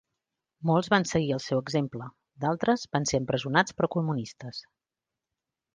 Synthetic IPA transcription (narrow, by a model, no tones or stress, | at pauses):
mɔlˠzβansəɣiəlˠsɛwəɡzemplə | d̪alˠt̪ɾəzbanseəmpɾəzunat͡spɾɔkulˠmunist̪əs